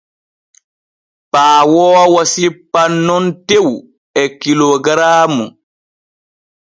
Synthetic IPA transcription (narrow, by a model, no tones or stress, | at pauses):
paːwɔːwasipːanːɔntew | ɛkilɔɡɾaːmu